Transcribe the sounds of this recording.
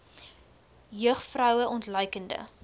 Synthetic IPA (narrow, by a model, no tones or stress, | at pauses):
jœχfrœwəʔɔntlœɥkəndə̰